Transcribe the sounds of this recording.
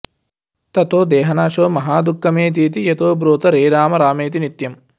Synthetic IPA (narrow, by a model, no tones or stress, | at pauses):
t̪ɐt̪oːd̪ɛːɦɐnaːʃoːmɐɦaːd̪ukːɐmeːt̪̬iːt̪iet̪oːbɾoːt̪ɐɾeːɾaːmɐɾaːmeːt̪̬init̪jɐm